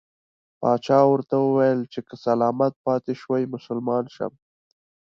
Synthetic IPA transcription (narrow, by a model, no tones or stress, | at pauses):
pɑːt͡ʃɑːwəɾt̪awəwajəlt͡ʃekəsɐlɑːmat̪̚pɑːt̪eʃwajmʊsʊlmɑːnʃa̰m